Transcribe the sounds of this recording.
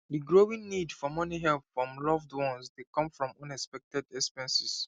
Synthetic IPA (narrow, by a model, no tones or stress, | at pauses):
diɡɹowĩnnidfɔmɔniɦɛlpfɹɔ̃mlɔvdwɔ̃nsdekɔ̃mfɹɔ̃mɔ̃nɛspɛk̚tɛdɛkspɛ̃nsis